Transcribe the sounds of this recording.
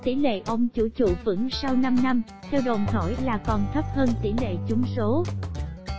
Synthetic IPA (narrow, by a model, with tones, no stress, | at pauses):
t̪i˧˩˦lḛ˧˨ʔə˧wŋ͡mt͡ɕṵ˧˩t͡ɕṵ˧˩vɨ̰˧˥ŋsa˧wna˧mna˧m | t̪ʰɛ˧wɗo˨˩nhɔ˧˩jlaː˨˩kɔ˨˩nt̪ʰə˦˥p̚həː˧nt̪i˧˩lḛ˧˨t͡ɕʊ˨˦ŋ͡mso˨˦